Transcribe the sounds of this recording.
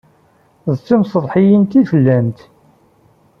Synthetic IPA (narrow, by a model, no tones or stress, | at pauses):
ðt͡sːimsəðˤħijint̪iθəlːæmt̪